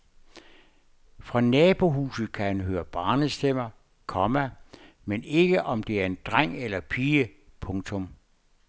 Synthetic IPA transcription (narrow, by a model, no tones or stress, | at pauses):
fʁɑ̈nɛːb̥o̝ɦuːsð̩ˠkʰæhænɦøːɐb̥ɑ̈ːnəsd̥em̰ɐ | kʰɒ̽mæ | mene̝ɡ̥əʔɒ̽md̥e̝æɐe̝nd̥ʁaŋ̰elɐpʰiːəpʰɔ̽ŋt͡sʰɔ̽m